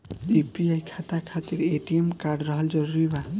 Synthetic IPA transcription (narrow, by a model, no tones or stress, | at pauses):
ipiajkʰat̪akʰat̪iɾeʈiemkaɾɖɾɔɦɔld͡ʒɔɾɾujba